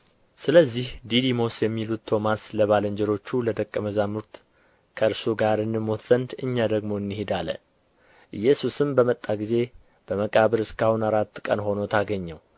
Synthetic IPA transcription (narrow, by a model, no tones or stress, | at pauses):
sɨləzːihd̪id̪imo̞sjɛmːilut̪t̪ʰːo̞masləβaləɲd͡ʒɛɾo̞t͡ʃːuləd̪əkʼːəməzamuɾt̪ | kʰəɨɾsuɡaɾɨnːɨmːo̞t̪z̥ənd̪ɨɲːad̪əɡmo̞ɨnːihed̪alə̰ | ʔɨjːɛsusɨmbəmət̪ʼːaɡize̞ | b̥əməkʼaβəɾɨskʰahunaɾat̪ːkʼənho̞no̞t̪ʰaɡəɲːɛw